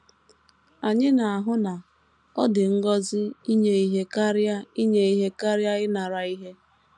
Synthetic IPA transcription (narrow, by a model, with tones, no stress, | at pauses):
a˨ɲɪ˦na˨a˨ɦʊ˦na˨ | ɔ˦dɪ˨ŋ̩˦ɡɔ˦zɪ˦i˦ɲe˦i˦ɦe˦ka˦ɾja˦i˦ɲe˦i˦ɦe˦ka˦ɾja˦ɪ˦na˨ɾa˨i˦ɦe˦